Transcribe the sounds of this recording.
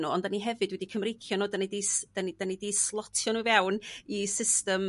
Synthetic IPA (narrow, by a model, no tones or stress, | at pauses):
nuːɔndaniɦɛvɨdwɛdikʰəmrejkʰjɔnoːdanidisd̥anid̥anidiːslˠɔtʰjɔnuvɛwnisɪstəm